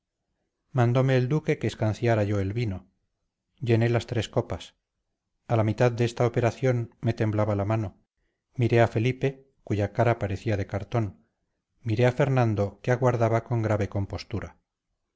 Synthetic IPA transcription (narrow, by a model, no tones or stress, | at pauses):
mãnd̪o̞me̞ːld̪uke̞keːskanθjaɾaʝo̞e̞lβino̞ | ʝe̞ne̞last̪ɾe̞sko̞pas | alamit̪aðd̪eest̪aope̞ɾaθjo̞nme̞t̪e̞mblaβalamano̞ | miɾe̞afe̞lipe̞ | kuʝakaɾapaɾe̞θiaðe̞kaɾt̪o̞n | miɾe̞afe̞ɾnãnd̪o̞keaɣwaɾðaβako̞ŋɡɾaβe̞ko̞mpo̞st̪uɾa